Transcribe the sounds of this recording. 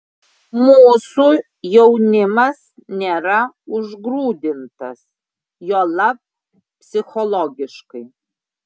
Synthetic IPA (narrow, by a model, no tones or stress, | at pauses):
muːsu | jɛʊnʲɪmɐsnʲeːɾɐ | ʊʒɡɾuːd̪ʲɪnt̪ɐs | joːlˠɐp̚ | pʲsʲɪxɔlˠɔɡʲɪʃkɐɪ